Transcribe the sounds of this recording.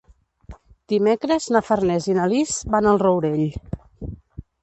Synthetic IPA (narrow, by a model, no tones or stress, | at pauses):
d̪̥imekɾəznəfərnɛzinalizbanəlˠrowɾeʎ